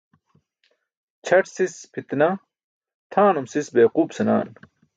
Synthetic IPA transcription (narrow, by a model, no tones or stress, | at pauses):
t͡ɕʰɐʈsispʰit̪nɐ | t̪ʰaːnumsisbeːquːbsɐna̰ːn